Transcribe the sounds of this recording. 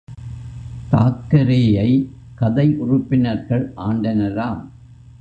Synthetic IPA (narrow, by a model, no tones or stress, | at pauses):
t̪a̰ːkːɐɾeːjɐɪ | kɐðɐɪʔʊrʊpːɪnɐɾɣɐɭʔaːɳɖɐnɐlaːm